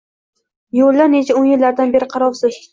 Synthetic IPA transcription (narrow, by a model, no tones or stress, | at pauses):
jolːaɾnet͡ʃʰaʊnjɪlːaɾd̪anbe̞ɾɪqʰɑɾɒwsɪʃ